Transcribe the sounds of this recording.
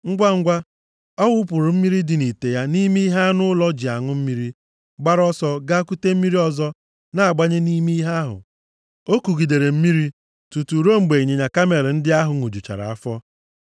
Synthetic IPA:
ŋ̩˦ɡʷa˦ŋ̩˦ɡʷa˦ | ɔ˦wʊ˦pʊ˨ɾʊ˨m̩˦mi˦ɾi˦dɪ˨ni˨te˨ja˦ni˦mi˦i˦ɦa˦a˦nʊ˦lɔ˦d͡ʒi˨a˨ŋʊ˦m̩˦mi˦ɾi˦ | ɡ͡ba˦ɾɔ˦sɔ˦ɡa˦ku˦te˦m̩˦mi˦ɾi˦ɔ˦zɔ˦ | na˦a˨ɡ͡ba˦ɲe˦ni˦mi˦i˦ɦa˦ɦʊ̰˨ | o˦ku˨ɡi˨de˨ɾe˨m̩˦mi˦ɾi˦ | tu˨tu˨ɾo˦ŋ͡m̩˨ɡ͡be˨i˨ɲe˨ɲa˨ka˦me˨ɾɪ˨n̩˦dɪ˦a˦ɦʊ˨ŋo˨d͡ʒu˨t͡ʃa̰˨ɾa̰˨a˦fɔ˦

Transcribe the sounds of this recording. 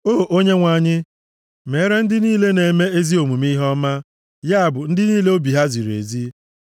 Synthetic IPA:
oː˦˨ʔo˦ɲe˦ŋʷa˨ɲɪ˦ | me˨˦ɾe˦n̩˦dɪ˦niː˦le˦ne˨me˦e˦zi˦o˨mu˨mi˦ɦɔ˦ma˦ | ja˦a˨bʊ˨n̩˦dɪ˦niː˦le˦o˦bi˨ɦa˦zi˨ɾu˨ḛ˨zi˦

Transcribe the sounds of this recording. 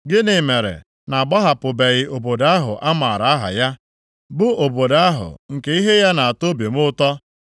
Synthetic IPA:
ɡɪ˦nɪ˨me˨ɾḛ˨ | na˨ɡ͡bɔ˦ɦa˨pʊ˨be˨ɣɪ˦o˨bo˨da˦ɦʊ̰˨ʔa˦ma˨ɾa˨a˦ɦa̰˨ja˦ | bʊ˦o˨bo˨da˦ɦʊ̰˨ŋ̩˨ke˦i˦ɦe˦ja˦na˨a˨to˦be˨m˦ʊ˦tɔ˦

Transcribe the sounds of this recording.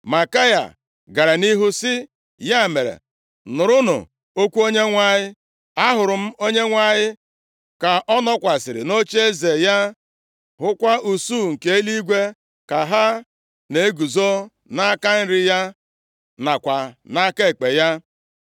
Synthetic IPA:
ma˨ka˦ja̰˨ | ɡa˨ɾa˨ni˦ɦu˦sɪ˦ | ja˦˨me˨ɾḛ˨ | nʊ˨ɾʊ˦nʊ̰˨ | o˦kʷu˦o˦ɲe˦ŋʷa˦ɲɪ˦ | a˦ɦʊ˨ɾʊ˨m̩˦o˦ɲe˦ŋʷa˦ɲɪ˦ | ka˨ʔɔ˦nɔ˦kʷa˨sɪ˨ɾɪ̰˨no˦t͡ʃe˦e˦ze˨ja˦ | ɦʊ˦kʷa˦u˨su˦˨ŋ̩˨ke˦e˦li˦ɡʷe˦ | ka˨ɦa˦ | ne˨e˦ɡu˨zo˦ | na˦ka˦n̩˦ɾɪ˦ja˦ | na˨kʷa˨na˦ke˦˨k͡pe˨ja˦

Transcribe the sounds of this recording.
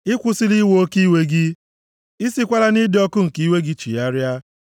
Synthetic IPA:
ɪ˦kʷʊ˦si˦li˦wo˦o˦ki˦we˦ɡɪ˦ | i˦si˦kʷa˦ɾa˦nɪ˦dɪ˦ɔ˦kʊ˦ŋ̩˨ki˦we˦ɡɪ˦t͡ʃḭ˨ja˦ɾja˦

